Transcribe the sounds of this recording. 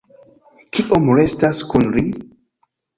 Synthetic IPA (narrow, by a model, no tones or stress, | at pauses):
kʰiʔomɹestaskunli